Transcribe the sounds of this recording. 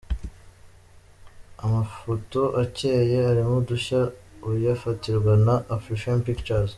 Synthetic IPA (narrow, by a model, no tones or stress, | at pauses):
amafo̞to̞ʔace̞ːje̞aɾimuduçaujafatiɾɡwanaʔːfɾiʃanpikt͡ʃaɾz